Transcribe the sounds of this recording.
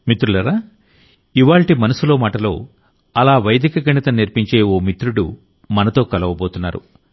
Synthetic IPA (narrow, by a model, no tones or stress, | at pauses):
mit̪ɾulɐɾaː | iʋaːɭʈimɐnɐsulo̞ːmaːʈɐlo̞ː | ɐlaːʋɐjɐd̪ikɐɡɐɳit̪ɐniɾpiɲt͡ʃe̞ːoːmit̪ɾuɽṵ | mɐnɐt̪o̞ːkɐlɐʋɐboːt̪unːa̰ːɾṵ